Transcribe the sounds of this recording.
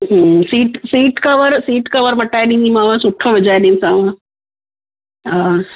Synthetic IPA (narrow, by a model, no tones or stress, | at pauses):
siːʈsiːʈkəʋəɾsiːʈkəʋəɾməʈːajnimimaʋasuʈʰːɔʋid͡ʑajnimsaʋã | ɦã